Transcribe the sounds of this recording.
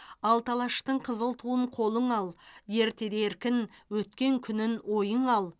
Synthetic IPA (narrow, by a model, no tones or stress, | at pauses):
ɑlˠt̪ʰɑlˠɑʃt̪əɴqʰəzəlˠt̪ʰuəɴqʰo̞lˠəɴɑlˠje̞ɾt̪e̞d̪eɾkʲɪnwɵt̪kʲe̞ŋkʲʰʏnɪnwo̞jəɴɑlˠ